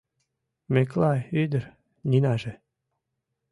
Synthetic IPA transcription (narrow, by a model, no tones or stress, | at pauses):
meklɑjyd̪ə̆ɾ | nʲinɑʒĕ